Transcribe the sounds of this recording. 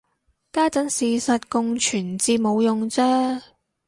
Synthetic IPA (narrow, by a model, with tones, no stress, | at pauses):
kaː˥t͡sɐ˨˥ŋsiː˨˩sɐ˨t̚kʊ˨˧ŋt͡ʃʰyː˨˩nt͡siː˧mo˨˧wjʊ˨ŋt͡sɛː˥